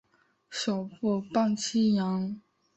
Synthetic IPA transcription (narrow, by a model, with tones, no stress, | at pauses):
ɕo˨˩ʊpu˥˩˧pɑ˥˩ŋt͡ɕʰi˥jɑ˧˥ŋ